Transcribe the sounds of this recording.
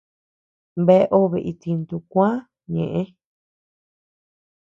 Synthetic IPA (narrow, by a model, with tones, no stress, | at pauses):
mbe˧˦˧ʔo˦βe˨˧ʔi˧t̪i˧nt̪u˧kʷã˦ | ɲḛ̃˨ʔẽ˦